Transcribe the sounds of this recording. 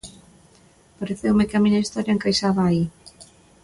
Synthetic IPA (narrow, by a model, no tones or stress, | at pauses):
paɾeθewmɪkamĩɲɐist̪ɔɾjɐeŋkajsaβaːi